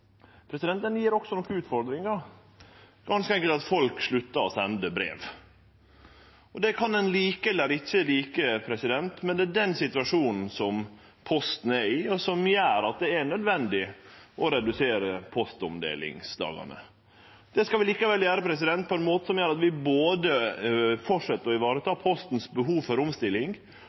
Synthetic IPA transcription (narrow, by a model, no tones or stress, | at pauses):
pʰɾɛsɪd̪ɛnt̪ənjiːɾɔksɔnɔkːəʉːt̪fɔɾd̪ɾɪŋɑ | ɡ̥ɑnskəɛŋkəlt̪ɑt̪fɔlkʂɭʉt̪ːɑɔsɛnd̪əbɾḛːʋ | ɔd̪ɛkʰɑnɛnliːkəɛlːəɾɪçːəliːkəpʰɾɛsɪd̪ɛnt̪mɛnd̪ɛdɛnsɪt̪ʉɑʂuːnn̩sɔm | pʰɔst̪n̩æɾɪɔsɔmjæːɾɑt̪̚d̪ɛæɳœd̪ʋɛnd̪ɪʔɔɾɛd̪ʉseːɾəpʰɔst̪ɔmd̪ḛːlɪ̰ŋsd̪ɑ̰ːɡɑ̰nə̰ | d̪̥ɛskɑlʋɪliːkəʋɛljæːɾəpʰɾɛs̬ɪd̪ɛnt̪̚pʰɔɛnmoːt̪əsɔmjøːɾɑt̪ʋɪboːd̪əfɔʂɛt̪ːəɾɔɪʋɑːɾət̪ʰɑːpʰɔst̪n̩sbəɦuːʋfɔɾʊmst̪ɪlːɪŋ